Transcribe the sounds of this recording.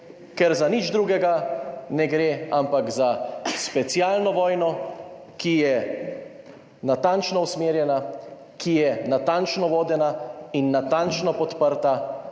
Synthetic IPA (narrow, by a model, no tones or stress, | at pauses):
kɛɾzanid͡ʒd̪ɾuːɡɛɡanɛɡɾeampakzaspɛt̪sjaːlnɔʋɔːjnɔ | kijɛ | nat̪ant͡ʃnɔusmeːɾjɛna | kʰijɛnat̪ant͡ʃnɔʋoːd̪ɛnainːat̪ant͡ʃnɔpɔt̪pəɾt̪a